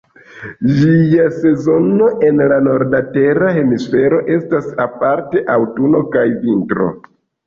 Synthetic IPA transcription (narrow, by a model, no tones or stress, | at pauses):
d͡ʒiase̞zo̞no̞ʔe̞nlano̞ɾdate̞ɾaɦe̞misfe̞ɾo̞ʔe̞stasapaɾte̞ʔawtuno̞kajvintɾo̞̰